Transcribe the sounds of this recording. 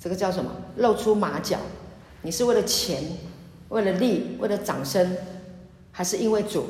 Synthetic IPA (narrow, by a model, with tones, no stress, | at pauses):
ʈ͡ʂɤ˥˩ɡə˨t͡ɕjɑ˥˩ʊʂ̬ə˧˦nmə̰˧˦lo˥˩ʊʈ͡ʂʰu˥ma˧˥t͡ɕjɑ̰˨˩˦ʊ | ni˨˩ʂɻ̩˥˧we˥˩ɪlə˩t͡ɕʰjɛ˧˥n | we˥˩ɪlə˩li˥˩we˥˩ɪlə˩t͡sɑ̰˨˩ŋʂə˥ŋ | xa˧˥ɪʂɻ̩˥˩i˥nwe˥˩ɪt͡sṵ˨˩˦